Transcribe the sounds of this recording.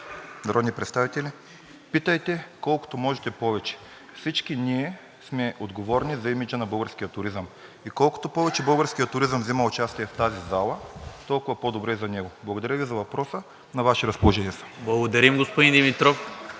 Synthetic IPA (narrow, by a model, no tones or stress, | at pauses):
nɐɾɔd̪nipɾɛt̪st̪avit̪ɛlʲi | pit̪ɐjt̪ɛkɔlˠko̥t̪omɔʒɛt̪ɛpɔvɛt͡ʃɛ̥ | fsit͡ʃkiniɛ | smɛʔod̪ɡovɔɾnizɐimid͡ʒənɐbɤlˠɡəɾskʲijət̪ʊɾizəmikɔlˠko̥t̪opɔvɛt͡ʃɛbəlˠɡəɾskijət̪ːʊɾizəmvzimɐʊt͡ʃast̪iɛft̪azizalˠɐt̪ɔlˠkʊvɐpod̪obɾɛizɐnɛɡoblˠɐɡod̪ɐɾʲjəvizɐvɐpɾɔsə | nɐvaʃɛɾɐspolˠoʒɛniɛsɐ̥blˠɐɡod̪ɐɾimɡospod̪ind̪imit̪ɾof